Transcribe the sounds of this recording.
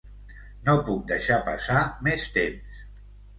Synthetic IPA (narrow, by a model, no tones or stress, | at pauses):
nopuk̚d̪əʃapasamest̪ems